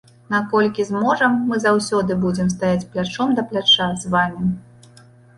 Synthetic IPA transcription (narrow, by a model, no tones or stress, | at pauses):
nakɔlʲkʲizmɔʐɐmːɨzawsʲɔd̪ɨbud͡zʲɛms̬t̪ajat͡sʲplʲat͡ʂɔmd̪ɐplʲat͡ʂazvamʲi